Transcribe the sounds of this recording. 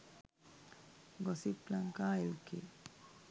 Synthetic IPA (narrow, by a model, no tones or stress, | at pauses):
ɡɔsiplaŋkaːilkḭ